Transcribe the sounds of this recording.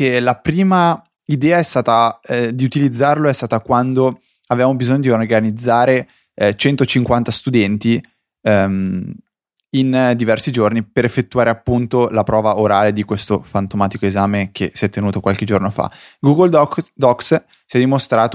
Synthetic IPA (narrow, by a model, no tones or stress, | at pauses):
kelapɾiːma | id̪ɛːaɛst̪aːt̪ad̪iut̪ilid̪zːarloɛst̪aːt̪akwand̪o | avevamobizoɲːod̪iorɡanid̪zːaːɾe | t͡ʃɛnt̪ot͡ʃiŋkwant̪ast̪ud̪ɛnt̪i | m | ind̪ivɛrsid͡ʒornipeɾefːet̪ːuaːɾeapːunt̪olapɾɔːvaoɾaːled̪ikwest̪ofant̪omaːt̪ikoezaːmekesiɛt̪ːenuːt̪okwalked͡ʒornofa̰ɡuɡold̪ɔks | siɛd̪imost̪ɾaːt̪o